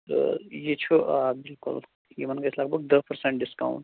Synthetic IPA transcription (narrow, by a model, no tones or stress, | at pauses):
jet͡ʃʰuaːbilkṵl | jimɐnɡɐslaːk̚bɐk̚d̪ɐpɐɾsẽɳʈ̚ɖiska̰w̰̃ɳʈ